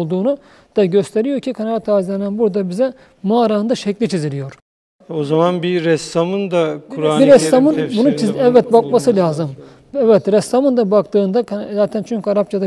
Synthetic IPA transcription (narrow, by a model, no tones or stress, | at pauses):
lˠd̪uːnu | d̪̥aɟøst̪ʰe̞ɾijoɾcʰikʰanavat̪ʰaːizʲlʲenænbuɾd̪abizɛ | maːɾaɯnd̪aʃɛclʲit͡ʃʰizilʲijo̞ɾ | ozamanbiɾɛst̪amɯnd̪akʰuɾabiɾɛst̪amɯnbunut͡ʃʰiɛvːɛt̪̚bakmasɯlʲaːzɯm | ɛvɛt̪ɾɛst̪amɯnd̪abakt̪ɯːnd̪akzaːt̪ʰænt͡ʃʰyɲʲcʰaɾap̚t͡ʃʰad̪a